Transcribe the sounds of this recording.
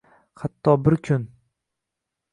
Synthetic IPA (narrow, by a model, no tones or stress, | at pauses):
hat̪ʰːɒbɪɾkʰʊn